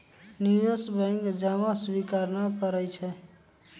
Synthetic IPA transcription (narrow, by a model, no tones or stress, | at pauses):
nijosbɛ̃ŋkd͡ʒamaswikaɾnakəɾɛt͡ʃʰɛ